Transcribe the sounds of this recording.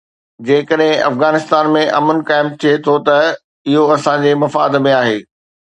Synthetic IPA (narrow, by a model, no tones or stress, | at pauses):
d͡ʑeːɪkəɗɦɪ̃ʔɐ̰fɣaːnɪst̪aːnmẽʔɐ̰mənkaːɪmt̪ʰiet̪ʰot̪ɐ | ɪɦoɐsãd͡ʑeːmɐfaːd̪mẽaːɦeː